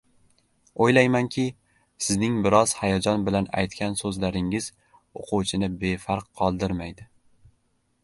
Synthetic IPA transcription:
ojlajmankʲʰɪ | sɪznɪŋbɪɾɒz̥hajɒd͡ʒɒnbɪlana̰jt̪kʲansɵzlaɾɪŋɪz̥ | oqʰuwt͡ʃʰɪnɪbe̞faɾqʰːɒlˠd̪ɪɾmajd̪ɪ

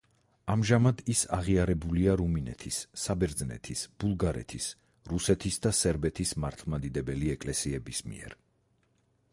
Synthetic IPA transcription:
amʒamad̪isa̰ʁiaɾɛbuliaɾuminɛ̰t̪ʰisːabɛɾd̪znɛ̰t̪ʰisb̥ulˠɡaɾɛ̰t̪ʰis | ɾusɛt̪ʰisd̪asɛɾbɛt̪ʰismaɾt̪ʰlˠmad̪id̪ɛbɛliɛkʼlɛsiɛbismḭɛ̰ɾ

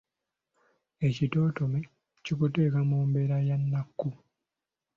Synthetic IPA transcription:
ecito̞ːtome | cokute̞ːkamoːmbe̞ɾajanːakːu

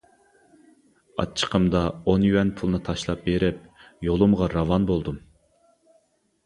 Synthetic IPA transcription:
ɑ̰t͡ʃʰːə̥qʰəmd̪ɑonjywɛnpʰulˠnɨt̪ʰɑʃlˠɑp̚beɾɪp̚jolˠɨmʁɑɾɑvɑnbolˠd̪um

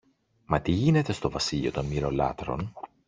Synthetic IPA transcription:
mɐt̪iʝine̞t̪e̞st̪o̞vɐsiʎio̞t̪o̞nmiɾo̞lɐ̰t̪ɾo̞n

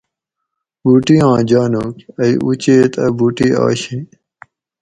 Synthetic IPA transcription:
buːʈiːãːd͡ʑaːnoːkɐiʔut͡ɕeːt̪ɐbuːʈiːa̰ːɕĩː

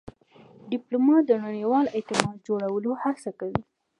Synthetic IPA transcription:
ɖɪplomɑt̪̚d̪ənaɽiwɑlɪt̪ɪmɑd̪̚d͡ʒoɽawəlohasakawi

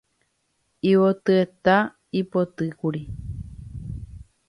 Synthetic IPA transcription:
iwot̪ɨet̪a | ipot̪ɨkuɾi

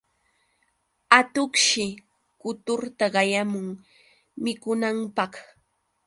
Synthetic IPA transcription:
at̪okʃɪ | kʊt̪ʊɾt̪aɢɑjamʊŋ | mɪkʊnampɑχ

